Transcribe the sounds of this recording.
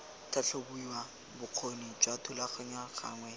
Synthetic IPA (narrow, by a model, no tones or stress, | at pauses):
tʰaɬobuiwa | bʊq͡χʰonid͡ʒwatʰʊlaχaɲwaχa̰ːŋwɛ